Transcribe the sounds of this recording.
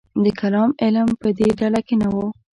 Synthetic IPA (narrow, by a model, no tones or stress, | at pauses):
d̪əkalɑmɪlmpəd̪eɖalakenawo